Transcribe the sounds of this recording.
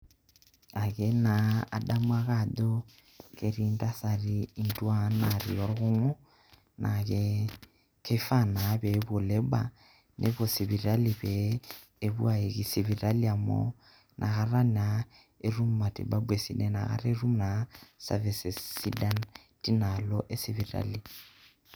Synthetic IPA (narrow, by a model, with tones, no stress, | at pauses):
a˨ɣɛ˨na˨a̰˨da˦mu˦a˨ɣa˦˨do˦ | ke˨ɾi˦nda˦sa˨ɾiː˨˦˨ndu˦a˦na˨ɾḭ˨ɔ˦ɾɣo˦ŋo˦ | nʔa˨ɣɛ˦ | kʰe˦fa˦˨na˨βɛ˨βo˨lɛ˦ba̰˨ | nʔe˦βo˨si˨βi˨ɾa˦li˨βɛː˨ | βṵ˦a˨e˨ki˨si˨βi˨ɾa˦li˦a˨mɔ̰˦ | nʔa˨ɣa˦ra˦na˨ | e˦ru˦mma˨tḭ˨ba˦bwe˨si˦nɛ˨na̰˨ɣa̰˦ɾe˦ru˦mna˨sa̰˨vɛ˨se˨si˦da˦n | ti˦na˨lɔ˦ʔe˦si˦βi˨ɾa̰˦li˨